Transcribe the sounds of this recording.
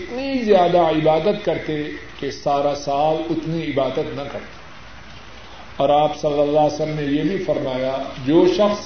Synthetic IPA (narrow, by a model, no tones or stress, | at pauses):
ɪt̪nizjaːd̪aɪbaːd̪ət̪kɐɾt̪ekesaːɾasaːbʊt̪niɪbaːd̪ət̪nɐkɐɾt̪ḁ | ɔːɾaːpsɐlːəlːaːsəmnejebʱifɐɾmaːjad͡ʒoːʃɐxs